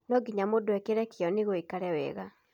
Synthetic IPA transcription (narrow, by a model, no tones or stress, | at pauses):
nɔɡiɲamodoɛkeɾɛkeɔneɣoikaɾɛwɛ̰ɣa